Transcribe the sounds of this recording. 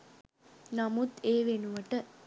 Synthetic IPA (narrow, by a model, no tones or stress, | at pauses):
namut̪eːʋenuʋəʈə